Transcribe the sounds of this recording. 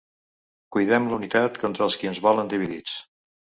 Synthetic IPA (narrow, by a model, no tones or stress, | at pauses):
kujðɛmləunit̪at̪kɔnt̪ɾəːlˠskiənzβɔlənd̪iβ̞iðit͡s